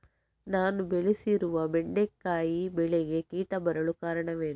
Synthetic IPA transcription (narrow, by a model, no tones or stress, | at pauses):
naːnubeɭesiɾuʋɐbeɳɖekːaːjibɛɭeɡe̞kiːʈɐbɐɾɐɭukaːɾɐɳɐʋe̞ːnu